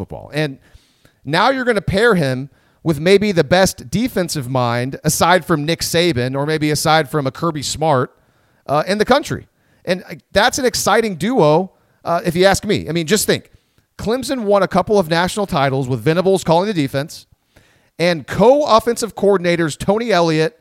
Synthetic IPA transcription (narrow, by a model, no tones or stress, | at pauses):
fʊ̰t̚b̥ɔ̰lˠɨ̃nː | aʊjə˞ɡʌnɨpʰɛɹɪ̃m | wɨðmeɪbiðɨbɛsd̥ifɛ̃nsʌvmãɪ̃ndɨsaɪd̥fɹʌ̃mnɪkseɪbɨ̃nə˞meɪbiɨsaɪd̥fɹʌ̃məkʰɜ˞bismɑɹt̚ | ʔɨ̃nðɨkʰʌ̃nt͡ʃɹ̥ḭ | ʔɨ̃nðætsɨ̃nɨksaɪɾɪ̃ŋdʉoʊ | ʔɨfjɨæsk̚mḭʔa̰ɪmĩnd͡ʒʌstθɪ̃ŋk | kʰl̥ɪ̃msɨ̃nwʌ̃ñɨkʰʌpl̩ˠʌvnæʃn̩l̩ˠtʰaɪɾl̩ˠzwəðvɪ̃ñəbl̩ˠz̥kʰɔlˠɪ̃ŋðɨdifɛ̃ns | ɨ̃nkʰoʊɔfɛ̃nsʌv̥kʰɔɹdⁿn̩eɪɾə˞z̥tʰõʊ̃ñiɛlˠiɨt̚